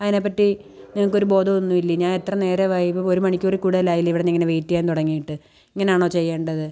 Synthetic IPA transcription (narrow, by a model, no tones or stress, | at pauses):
ɐðinepːɐʈːi | niŋɐɭkːo̞ɾubo̞ːd̪ɐonːuilːiɲaːne̞t̪rɐne̞ːɾeʋaːjipomoɾumɐɳikʲːorikuːɽuðɐlaːjilːiʋiɽeniŋːɐneʋejtːijaːnt̪uɽɐŋːijiʈːɨ | iŋːɐne̞jaːɳo̞ːt͡ɕe̞jːeːɳɖɐðɨ